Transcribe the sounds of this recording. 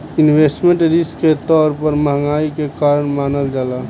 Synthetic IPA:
ɪnwesʈmẽɳʈɾiskket̪ɔːɾpəɾməɦŋaːikekaːɾəɳmaːnəld͡ʒaːlaː

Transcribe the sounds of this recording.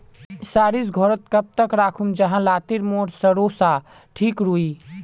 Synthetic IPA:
saɾisɡʱɔɾət̪̚kəp̚t̪əkɾakʰumd͡ʒəɦãlat̪iɾmoɾsəɾosa | ʈʰikɾui

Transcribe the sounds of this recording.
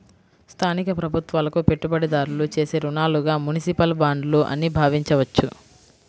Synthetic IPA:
st̪ʰaːnikɐpɾɐbʱut̪ʋaːlɐkupe̞ʈːubɐɽid̪aːɾulut͡ʃe̞ːseːɾunaːluɡaːmunisipɐlbaːɳɖluʔɐ̰nːibʱaːʋiɲt͡ʃɐʋɐt͡ʃːu

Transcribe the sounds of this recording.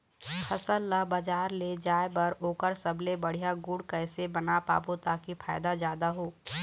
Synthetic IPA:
kʰɐsəlːabəd͡ʒaːɾled͡ʒaːebɐɾoːkəɾsəbʱlebɐɽ̤ijaɡʊɽkəɪsebɐnapa̰ːbot̪aːkifʰaːɪd̪azjaːd̪aɦoː

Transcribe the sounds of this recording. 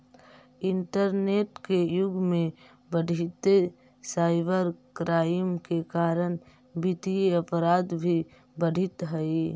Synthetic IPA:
ɪɳʈəɾneːʈkejʊɡmẽ | bəɽʱɪt̪e | saːɪbəɾkɾaːɪmkekaːɾən | bɪt̪ieəpɾaːd̪bʱi | bəɽʱɪt̪ɦəi

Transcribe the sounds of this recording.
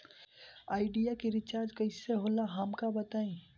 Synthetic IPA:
aːɪɖijakiɾɪt͡ʃaːɾd͡ʒkɐɪseɦolaɦamkabɐt̪aːĩː

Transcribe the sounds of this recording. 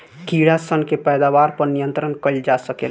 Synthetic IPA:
kiɽasənkepɛjd̪abaɾpəɾnijənt̪ɾənkəɪld͡ʒasəkel

